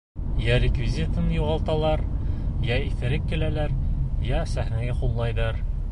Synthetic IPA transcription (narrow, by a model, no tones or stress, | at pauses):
jæɾʲɪkvʲizʲit̪ɤnjuʁɑlˠt̪ɑlˠɑɾjæiθɘ̆ɾɘp̚kilælæɾjæsæhnæɡæqullˠɑjðɑɾ